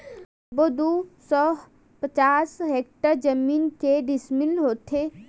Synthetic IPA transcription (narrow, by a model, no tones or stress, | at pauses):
bod̪usɔ | pət͡ʃaːsɦeːk̚ʈəɾd͡ʒəmiːnkeɖismilɦoːt̪ʰe